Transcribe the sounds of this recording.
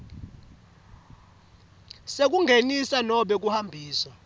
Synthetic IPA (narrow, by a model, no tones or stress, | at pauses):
sek̬ʼuŋɡʱenisanɔɓɛk̬uhambʱiːswa